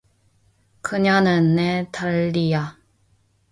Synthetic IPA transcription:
kɯɲanɯnːetaɭːija

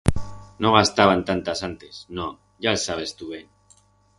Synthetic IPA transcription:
noɣ̞ast̪aβ̞ant̪ant̪asant̪esno | ʝaesaβ̞e̞st̪uβen

